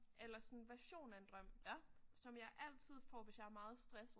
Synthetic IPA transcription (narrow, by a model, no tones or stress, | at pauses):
elɐsɒ̽nn̩ʋæɐɕo̝̰ːnænd̥ʁɶm̰sɒ̽mjɑ̈ɪʔæl̰t͡sʰið̞̰ˠfɒ̰ːʋe̝sjɑ̈æɐmɑ̈ːð̞̩ˠsd̥ʁɛs̩